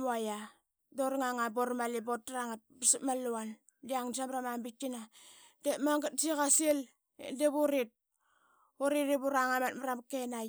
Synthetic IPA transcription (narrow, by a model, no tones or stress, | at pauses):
maja | doɾŋaŋaboɾmalibot̚ːɾaŋat̚bisimalːuan | diaŋsamɾamambikina | demaŋɡat̚sikasiel̰ | deβuɾit̚ | uɾiɾibuɾaŋamatmaɾamkenaj